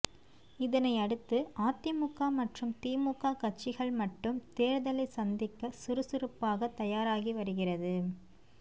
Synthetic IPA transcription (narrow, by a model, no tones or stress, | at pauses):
ɪðɐnɐɪɐɽɯt̪ːɯʔaːt̪ːjɐmʊkːaːmɐʈrɯmt̪iːmʊkːaːkɐʈ̚t͡ʃːɪɣɐɭmɐʈːɯmt̪eːɾðɐlɐɪsɐnd̪ɪkːɐsʊɾɯsɪrɯpːaːɣɐt̪ːɐjaːɾaːɣiʋɐɾɯɣɪrɐðɯ